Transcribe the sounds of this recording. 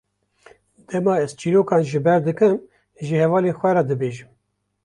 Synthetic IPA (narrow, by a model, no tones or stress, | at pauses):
d̪̥ɛmɑːɛz̥t͡ʃʰiːɾoːkɑːnʒɨbɛɾd̪ɨkɨm | ʒɨhɛvɑːlexʷɛɾɛd̪ɨbeːʒɨm